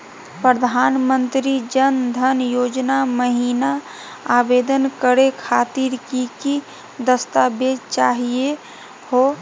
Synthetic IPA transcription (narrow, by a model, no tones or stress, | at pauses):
pɾəd̪ʱaːnmənt̪ɾid͡ʒənd̪ʱənjod͡ʒnaməɦina | aːbed̪ənkəɾekʰaːt̪iɾkiki | d̪əst̪abed̪t͡ʃaːɦie | ho